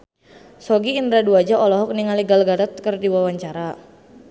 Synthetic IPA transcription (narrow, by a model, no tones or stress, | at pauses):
sɔɡiːndɾaduad͡ʒaʔɔlɔɦɔk̚niŋaliɡalɡadat̪̚kərdiwawaɲt͡ʃaɾa